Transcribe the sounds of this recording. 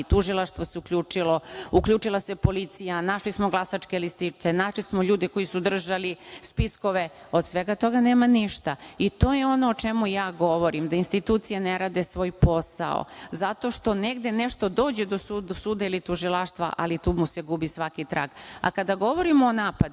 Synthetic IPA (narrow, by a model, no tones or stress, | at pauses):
t̪uʒilˠaʃt̪ʋoseukʎʲuːt͡ʂilo̞ukʎuːt͡ʃilˠase̞po̞lit̪sijanaʃlismo̞ɡlasat͡ʃkelist̪it͡ʃt̪enaʃlismo̞ʎuːd̪ɛko̞jisud̪r̩ʒalispisko̞ʋe̞ | od̪sʋeɡat̪o̞ɡaneːmaniʃt̪ait̪o̞ːjeo̞noːt͡ʃe̞mujaːɡo̞ʋo̞ɾimd̪ainst̪it̪uːt̪sijaneɾaːd̪e̞sʋo̞ːjpo̞sa̰o̰zat̪o̞ʃt̪o̞neɡd̪ene̞ʃt̪o̞d̪o̞ːd͡ʑe̞d̪o̞susuːd̪ailit̪uʒilˠaʃt̪ʋa̰ʔa̰lit̪uːmuseɡubisʋakit̪ɾa̰ːɡa̰kad̪aɡo̞ʋo̞ɾimoonaːpad̪